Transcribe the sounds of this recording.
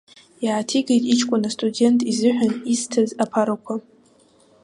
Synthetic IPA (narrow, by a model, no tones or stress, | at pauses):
jaːtʰiɡajtʼit͡ʃʰkʷʼʊnastʼude̞ntʼizɨħʷᶣaniztʰazapʰaɾakʷʰa